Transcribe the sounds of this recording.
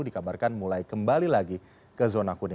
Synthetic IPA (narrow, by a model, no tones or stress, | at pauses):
udikabarkanmulajkəmbalilaɡi | kəzonakuni